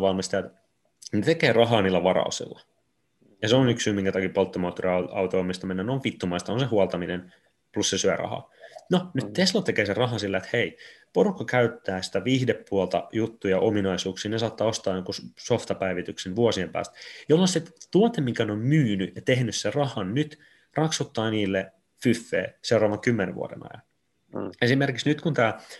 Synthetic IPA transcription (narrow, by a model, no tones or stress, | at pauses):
ʋɑlmist̪ɑjɑet̪ | net̪ekeːrɑɦɑːniːlːæʋɑrɑ̰usḭlːɑ | jɑseonyksyːmiŋkæt̪ɑkipolt̪ːomɑːt̪ːoriɑɑ̰uwt̪oomːist̪ɑmenːæneonʋit̪ːumɑist̪ɑonsehuɑlt̪ɑminen | plussesyærɑ̰hɑ̰ːnonyt̪t̪eslot̪ekeːserɑɦɑsilːæet̪heiporukːɑkæyt̪ːæːsi̥t̪æʋiːhdeppuolt̪ɑ̰jut̪ːujɑʔominɑisuːksiːnes̬ɑːt̪ːɑːost̪ɑːjoŋkussoft̪ɑpæiʋit̪yksenʋuosiempæ̰ːst̪jolːonset̪uot̪emːiŋkæneommyːnyjɑt̪ehnysserɑhɑnnyt̪ | rɑksut̪ːɑːniːlːe | fyfːḛːseurɑːʋɑŋkymːenḛʋṵo̰dḛnɑ̰jɑ̰n | esimerkiksnyt̪kunt̪æː